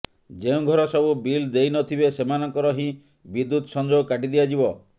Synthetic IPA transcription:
d͡ʒeũŋɡʱɔɾɔsɔbubild̪eijnɔt̪ʰibesemanɔŋkɔɾɔɦĩ | bid̪ːut̪sɔnd͡ʒowkaʈid̪ibad͡ʒibɔ

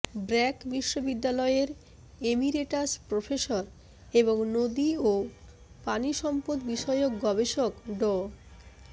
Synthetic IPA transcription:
bɾɛkbiʃːobid̪ːalɔeeɾ | emiɾeʈaspɾofeʃoɾ | eboŋnod̪io | paniʃɔmpod̪biʃɔeok̚ɡɔbeʃokɖɔ

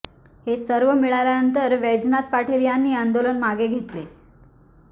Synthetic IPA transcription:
hesəɾʋəmiɭajljanənt̪əɾʋed͡znat̪̚paʈʰeɾjanːiːand̪olənmaɡeɡʱet̪le

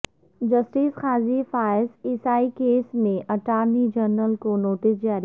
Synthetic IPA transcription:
d͡ʒɐsʈisxaːzifaːɪsɪsaːikeːsmẽʔɐʈaːɾnid͡ʒəɾnəlkonoːʈɪs̬d͡ʒaːɾi

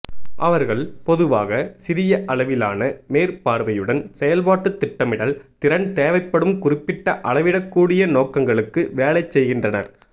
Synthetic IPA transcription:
ʔɐʋɐɾɣɐɭpɔðɯʋaːɣɐsɪðɪjɐʔɐɭɐʋɪlaːnɐmeːɾpaːɾʋɐjɯɽɐnsɛjɐlpaːʈːɯt̪ːɪʈːɐmɪɽɐlt̪ɪɾɐɳt̪eːʋɐɪpːɐɽɯmkʊrɪpːɪʈːɐʔɐɭɐʋɪɽɐkːuːɽɪjɐnoːkɐŋɡɐɭɯkːɯʋeːlɐɪt͡ʃːɛjɣɪndrɐnɐ̰ɾ

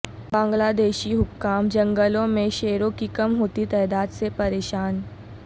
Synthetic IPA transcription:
bãŋɡlad̪eɕiːɦukːamd͡ʑəŋɡəlõmeɕeɾokikəmɦot̪iːt̪əjd̪ad̪t͡sepəɾeɕaːn

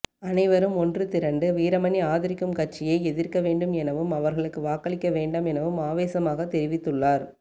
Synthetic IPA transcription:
ɐnɐɪʋɐɾɯmɔndrɯt̪ɪɾɐɳɖɯʋiːɾɐmɐniaːðɪɾɪkːɯmkɐt͡ʃːɪjɐɪɛðɪɾkɐʋeːɳɖɯmɛnɐʋɯmɐʋɐɾɣɐɭɯkːɯʋaːkːɐɭɪkːɐʋeːɳɖɐmɛnɐʋɯmaːʋeːsɐmaːɣɐt̪ɛɾɪʋɪt̪ːɯɭːaːɾ

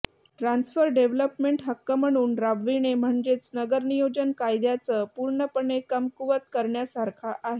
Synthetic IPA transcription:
ʈɾansfəɾɖeʋləpmeɳʈɦəkːəm̤əɽ̃uːnɾabʋinem̤əɳd͡ʑet͡snəɡəɾnijod͡ʑənkajd̪jat͡səːpuɾɳəpəɳekəmkuʋət̪̚kəɾɳjasaɾkʰaʔaɦe

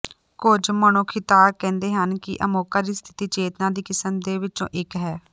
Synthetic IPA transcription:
kʊd͡ʒməɳ̃oːkʰɪt̪aːkɛ̃ːnd̪eːɦənkɪ̰ʔəmoːkaːɾiːst̪ʰɪ̥t̪iːt͡ʃeːt̪nãːd̪iːkɪsəmd̪eːʋɪt͡ʃõ̰ːʔɪkɦɛː

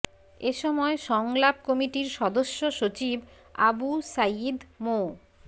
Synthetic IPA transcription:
eʃɔmɔeʃɔŋlap̚kɔmiʈiɾʃɔd̪oʃːoʃot͡ɕib | a̰busajd̪mo

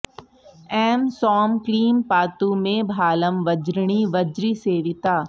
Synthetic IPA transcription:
ɛːmsɔːmkliːmpaːt̪umẽbʱaːləmʋɐd͡ʒɾɳ̃iʋɐd͡ʒɾiseːʋɪt̪aː

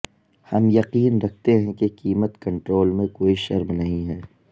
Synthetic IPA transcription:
hɐmjɐqiːnɾɐk̚ʰt̪eɦɛ̃kekiːmət̪kɐ̃ɳʈɾoːlmẽkoːiʃɐɾmnɐɦĩɦɛː

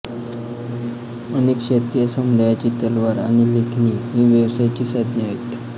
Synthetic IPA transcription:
ənekɕet̪kijsəmd̪ʱajat͡ɕiːt̪əlʋaɾaɽ̃ilekʰniɦĩːʋjəʋsajt͡ɕiːsad̪ʱnəaɦit̪

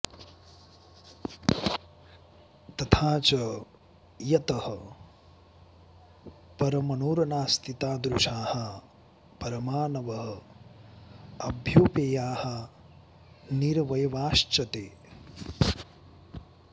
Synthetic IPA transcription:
t̪ɐt̪ʰaːt͡ʃɐ | jɐt̪ɐhɐ | pɐɾɐmɐnuːɾɐnaːst̪ʰit̪aːd̪ɾuʃaːhɐ | pɐɾɐmaːnɐʋɐɦɐ̆ | ɐbʱjoːpeːjaːhɐ | niɾʋɐjɐʋaːʃt͡ʃɐt̪eː

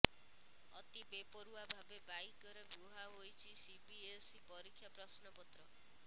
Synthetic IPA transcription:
ɔ̰t̪ibepɔɾuabʱabebaikɔɾebuɦaɦojt͡ʃʰisipies | pɔɾikʰːjapɾɔsnɔpɔt̪ɾɔ

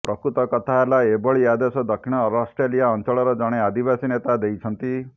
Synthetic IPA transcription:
pɾɔkɾut̪ɔkɔt̪ʰaelaebɔɭiad̪esɔd̪ɔkʰiɽ̃ɔɾɔsʈɾelijaɔnt͡ʃɔɭɔɾɔd͡ʒɔɽ̃ead̪ibasinet̪ad̪ejt͡ʃʰɔnt̪i

